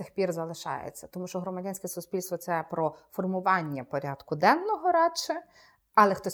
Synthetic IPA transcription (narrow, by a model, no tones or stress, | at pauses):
ɪxpʲirzɐlˠɪʃɑ̰jḛt͡sʲːɐ̥t̪ɔmuʃt͡ʃɔɦɾɔmɐdʲanʲsʲkʲɛsʊspʲilʲst̪ʋɔt̪sɛpɾɔfɔrmʊʋɑnʲːɐpɔɾʲad̪kʊd̪ɛnːɔɦɔɾɑt͡ʃɛ | ɐlˠɛxt̪ɔ